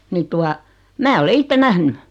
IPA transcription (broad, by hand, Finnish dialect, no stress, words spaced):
ni tuɑ mæː ole itːe næhny